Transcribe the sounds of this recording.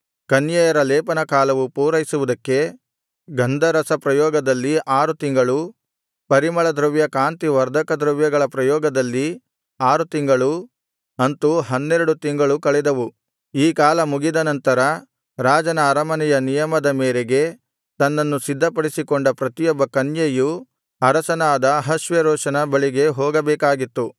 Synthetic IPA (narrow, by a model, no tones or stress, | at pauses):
kɐnjɐjɐɾɐlɛːpɐnɐkaːlɐʋupuːɾɐjisuʋud̪ɐkːe̞ | ɡɐnd̪ʱɐɾɐsɐpɾɐjɔːɡɐd̪ɐlːiʔaːɾut̪iŋɡɐɭu | pɐɾimɐɭɐd̪ɾɐʋjɐkaːnt̪iʋɐɾd̪ʱɐkɐd̪ɾɐʋjɐɡɐɭɐpɾɐjɔːɡɐd̪ɐlːi | aːɾut̪iŋɡɐɭu | ɐnt̪uɦɐnːeɾɐɽut̪iŋɡɐɭukɐɭɛd̪ɐʋu | iːkaːlɐmuɡid̪ɐnɐnt̪ɐɾɐ | ɾaːd͡ʒɐnɐːɾɐmɐnɛjɐnijɐmɐd̪ɐmeːɾeɡe̞ | t̪ɐnːɐnːusid̪ʱːɐpɐɽisikɔɳɖɐpɾɐt̪ijɔbːɐkɐnjɐju | ɐɾɐsɐnaːd̪ɐɦɐʃʋeɾɔːʂɐnɐbɐɭiɡe̞ɦɔːɡɐbɛːkaːɡit̪ːu